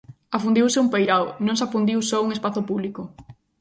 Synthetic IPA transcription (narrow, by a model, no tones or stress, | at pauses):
afund̪iwsɪumpejɾaonõŋsafund̪iwsɔuŋespaθʊpuβlikʊ